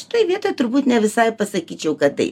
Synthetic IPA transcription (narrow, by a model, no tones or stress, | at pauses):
ʃʲɪ̥t̪oːjʋʲiɛt̪oːt̪ʊɾbuːt̪nʲɛʋʲɪsɐɪpɐsɐkʲiːt͡ʃʲɛʊkɐt̚t̪ɐ̰ɪ